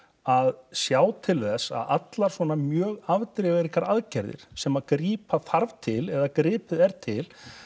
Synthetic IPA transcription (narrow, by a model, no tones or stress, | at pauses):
aðsjaːwt̪ʰɪlθɛsːa̰ðat̪laɾ̥sɔːnamjœːɣavt̪ɾɪɣaɾikaɾaðcɛɾðɪ̰ɾ̥sɛmaðkɾiːpaθaɾv̥t̪ʰɪlɛðakɾɪːpɪðɛɾt̪ʰɪl